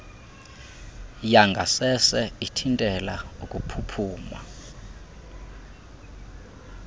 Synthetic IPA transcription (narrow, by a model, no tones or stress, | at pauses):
jaŋɡʱa̰sɛsɛitʰintʼɛlaukʼupʰupʰuːma̰